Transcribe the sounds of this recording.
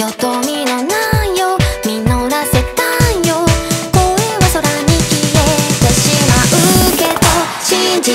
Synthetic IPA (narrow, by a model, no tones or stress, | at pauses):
jot̪omʲinonajomʲinoɾase̞t̪ajokoeβaso̞ɾaɲikʲiet̪e̞ɕimaʔɯ̟ke̞d̪o | ɕiɲd͡ʑi